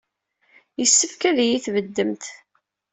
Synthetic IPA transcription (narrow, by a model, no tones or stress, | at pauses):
jəsːəfkæðjiθvəd̪ːəmt̪